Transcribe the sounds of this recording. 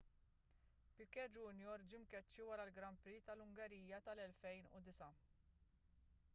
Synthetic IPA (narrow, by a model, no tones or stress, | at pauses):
pɪkːɛd͡ʒunjɔɾd͡ʒɪmkɛt͡ʃːiwɐɾɐlɡɾɐmpɾit̪ɐlʊŋɡɛɾiːjːɐt̪ɐlɛlfɛjnʊ̰d̪ɪsɐ